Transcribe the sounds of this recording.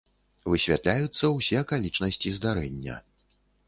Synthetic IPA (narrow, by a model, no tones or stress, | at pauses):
vɨsʲvʲa̰t̪lʲajut̪sːɐwsʲɛkalʲit͡ʂnɐsʲt͡sʲizd̪aɾɛnʲːɐ̰